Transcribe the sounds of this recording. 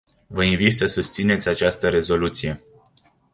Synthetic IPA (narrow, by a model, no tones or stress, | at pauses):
vəinvit̪səsust̪sine̞t̪sʲat͡ʃast̪əɾe̞zo̞lut̪sije̞